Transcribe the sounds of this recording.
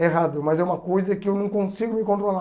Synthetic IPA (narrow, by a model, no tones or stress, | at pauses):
eɦad̪ʊmɐzɛũmɐkojzɐkɪewnɐ̃w̃kõsiɡʊmɪkõnt̪̬ɾola